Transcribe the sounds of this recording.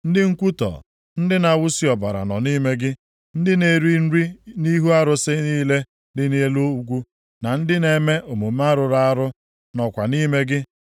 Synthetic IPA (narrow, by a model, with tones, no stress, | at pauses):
n̩˦dɪ˦ŋ̩˦kʷu˦tɔ̰˨ | n̩˦dɪ˦na˨wʊ˦si˦ɔ˨ba˨ɾa̰˨nɔ̰˨niː˦me˦ɡɪ˦ | n̩˦dɪ˦ne˨ɾi˦n̩˦ɾi˦ni˦ɦu˦a˦ɾʊ˨sɪ˦niː˦le˦ | dɪ˦ne˦e˦lo˦u˨ɡʷu˦ | na˨n̩˦dɪ˦ne˨me˦ʔo˨mu˨ma˦ɾʊ˨ɾa˦a˦ɾʊ˦ | nɔ˨kʷa˨ni˦me˦ɡɪ˦